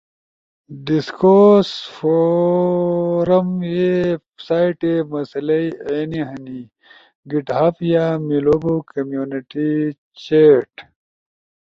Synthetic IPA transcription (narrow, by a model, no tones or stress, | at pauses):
ɖiskosfo | ɾɐmje | saːiʈemɐsɐlɐieːniɦɐni | ɡiʈɦaːpjaːmilobokɐmjuːniʈi | t͡ɕeʈ